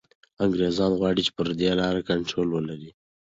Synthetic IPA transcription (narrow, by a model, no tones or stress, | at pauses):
aŋɡɾezɑnɣwɑɽit͡ʃe̥pəɾd̪elɑɾakaɳʈɾolwəlaɾi